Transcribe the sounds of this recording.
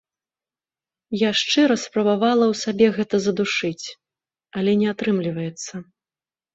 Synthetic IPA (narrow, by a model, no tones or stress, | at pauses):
jaʂt͡ʂɨɾɐspɾɐbavalˠɐwsabʲɛɣɛt̪ɐzɐd̪uʂɨt͡sʲ | ɐlʲɛnʲɛat̪ɾɨmlʲivɐjɛt̪sːɐ